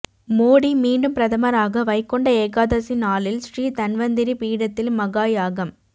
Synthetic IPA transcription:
moːɽimiːɳɖɯmpɾɐðɐmɐɾaːɣɐʋɐɪkːɔɳɖɐeːkaːðɐsɪnaːlɪlsriːt̪ɐnʋɐnd̪ɪɾipiːɽɐt̪ːɪlmɐɣaːjaːɣɐm

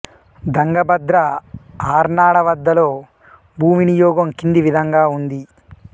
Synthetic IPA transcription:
d̪ɐŋɡɐbɐd̪ɾɐaːɾnaːɽɐʋɐd̪ːɐlo̞ː | bʱuːminijɔːɡɐmkind̪iʋid̪ʱɐŋɡaːund̪i

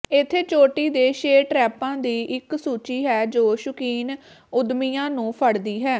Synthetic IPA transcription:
ɪt̪ʰːeːt͡ʃoːʈiːd̪eːʃeːʈɾɛːpãːd̪iːʔɪksuːt͡ʃiːɦɛːd͡ʒoːʃʊkiːn | ʊd̪miːjãːnũːpʰəɽd̪iːɦɛː

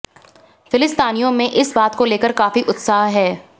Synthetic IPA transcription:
fɪlɪst̪aːnijõmẽʔɪsbaːt̪koleːkəɾkaːfiʔʊt̪saːɦɦɛː

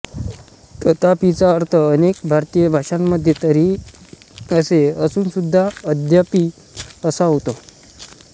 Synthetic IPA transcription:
t̪ət̪apit͡saəɾt̪ʰəːnekbʱaɾt̪ijəbʱaʂamːəd̪ʱjet̪əɾiː | əseəsuːnsud̪ʱːaəd̪ʱjapi | əsaɦot̪o

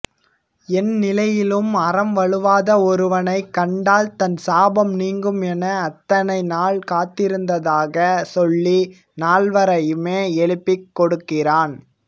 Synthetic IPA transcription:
ɛnnɪlɐjɪlɯmɐrɐmʋɐɭɯʋaːðɐɔɾɯʋɐnɐɪkːɐɳɖaːlt̪ɐnsaːbɐmniːŋɡɯmɛnɐːt̪ːɐnɐɪnaːɭkaːt̪ːɪɾɯnd̪ɐðaːɣɐsɔɭːi | naːɭʋɐɾɐjɯmeːɛɭɯpːɪkːɔɽɯkːɪraːn

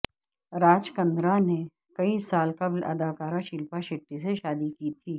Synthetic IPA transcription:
ɾaːd͡ʒkɐ̃nd̪ɾane | kɐisaːlkɐblɐ̰d̪aːkaːɾãʃɪlpaʃɪʈːiseʃaːd̪ikiːt̪ʰiː

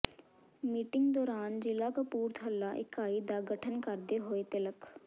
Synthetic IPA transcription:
miːʈɪŋɡd̪ɔːɾaːnd͡ʒɪlaːkəpuːɾt̪ʰəlːaːʔɪkaːiːd̪aːɡəʈʰənkəɾd̪eːɦoːeːt̪ɪləkʰ

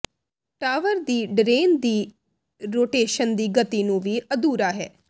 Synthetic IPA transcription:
ʈaːʋəɾd̪iːɖɾeːnd̪iː | ɾoːʈeːʃənd̪iːɡət̪iːnũːʋiːʔəd̪uːɾaːɦɛ̰ː

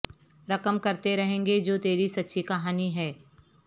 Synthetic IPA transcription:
ɾɐkəmkɐɾt̪eɾɐɦẽːŋɡed͡ʒoːt̪eːɾisɐtːʃʰikɐɦaːniɦɛː

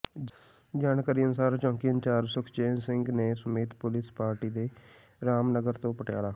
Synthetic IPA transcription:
d͡ʒaːnkaːɾiːənʊsaːɾt͡ʃɔ̃ːŋkiənt͡ʃaːɾsʊkʰt͡ʃeːnsɪ̃ŋɡneːsəmeːt̪pʊlɪspaːɾʈiːd̪eː | ɾaːmnəɡəɾt̪õːpəʈjaːɽaː

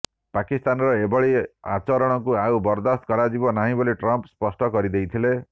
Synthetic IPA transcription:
pakist̪anɾɔebɔɭia̰t͡ʃɔɾɔɽ̃ɔkuaubɔɾd̪ast̪̚kɔɾad͡ʒibɔnaɦĩbɔliʈɾɔmpspɔsʈɔkɔɾid̪ejt̪ʰile

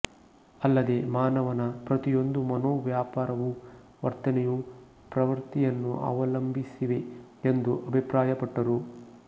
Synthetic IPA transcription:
ɐlːɐd̪e̞maːnɐʋɐnɐpɾɐt̪ijo̞nd̪umɐnoːʋjaːpaːɾɐʋu | ʋɐ̰ɾt̪ɐnɛju | pɾɐʋɐɾt̪ijɐnːuʔa̰ːʋɐlɐmbʱisiʋe̞end̪uʔɐbʱipɾaːjɐpɐʈːɐɾu

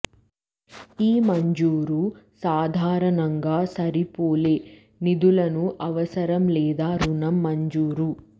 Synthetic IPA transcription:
iːmɐɲd͡ʒuːɾusaːd̪ʱaːɾɐnɐŋɡaːsɐɾipoːle | nid̪ulɐnuʔɐʋɐsɐɾɐmlɛːd̪aːɾunɐmːɐɲd͡ʒuːɾu

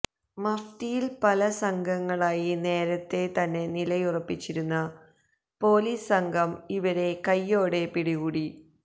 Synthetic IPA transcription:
mɐft̪ijilpɐlɐsɐŋɡʱɐŋːɐɭaːjine̞ːɾɐt̪ːe̞t̪ɐnːe̞nilɐjurɐpːit͡ɕːiɾunːɐ | po̞ːliːsɐŋɡʱɐmiʋɐɾe̞kɐjːo̞ːɽe̞piɽiɣuːɽi

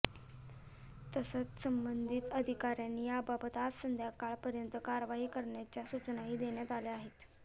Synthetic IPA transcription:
t̪əsət͡ssəmbənd̪ʱit̪əd̪ʱikaɾjanːiːabapət̪at̪sənd̪ʱjakaɭpəɾjənt̪əkaɾəʋaɦiːkəɾɳjat͡ɕjasut͡snaɦiːd̪eɳjat̪aleaɦet̪

